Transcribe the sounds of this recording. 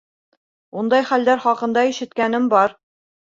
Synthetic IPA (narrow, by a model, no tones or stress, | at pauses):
und̪ɑjχæld̪æɾχɒqɤ̆nd̪ɑiʃɘ̆t̪kænɘmbɒɾ